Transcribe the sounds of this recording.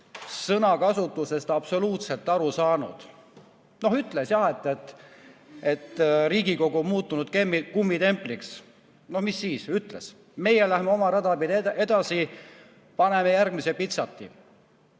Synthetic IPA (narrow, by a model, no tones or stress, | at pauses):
sɤnɑkɑsut̪ːˑuse̞st̪ɑbso̞luːt̪se̞lt̪ːˑɑɾusɑːnṵd̪̥ | no̞ɦyt̪ːˑle̞sjɑhe̞t̪ːˑet̪ | e̞t̪ːriːɡiko̞ɡ̥uommuːt̪ːˑunud̪̥kemːikumːit̪e̞mpˑliks | no̞hmisːiːsyt̪ːle̞s | me̞jelæhmeo̞mɑɾɑd̪ɑpid̪eʔe̞d̪̥ɑsi | pɑne̞mejærɡmisepit̪sɑt̪ːḭ